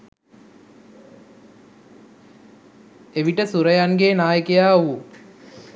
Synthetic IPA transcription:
eʋiʈəsuɾəjaŋɡeːnaːjəkejaːʋu

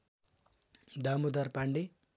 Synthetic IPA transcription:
d̪amud̪arpaɳɖi

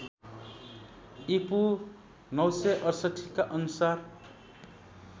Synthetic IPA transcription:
ipu | nʌwsʌʔʌrsʌʈʰikaʔʌnusar

